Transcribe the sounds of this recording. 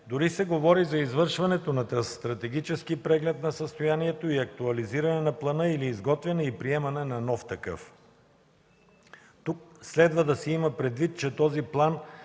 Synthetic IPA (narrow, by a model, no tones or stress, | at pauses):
d̪ʊɾisɛɡovɔɾizɐizvɤɾʃvɐnɛt̪onɐt̪ɾɐst̪ɾɐt̪ɛɡ̟it͡ʃɛskipɾɛɡlɛt̪nɐsəst̪oʊjaniɛt̪oiɐk̚t̪uɐliziɾɐnɛnɐplˠɐnɤiliːzɡɔt̪vɛnɛipɾiɛmɐnɛnɐnɔft̪ɐkɤ̰f | t̪uk̚slɛd̪vəd̪ɐsɛimɐpɾɛd̪vit̪̚t͡ʃɛt̪ɔziplˠan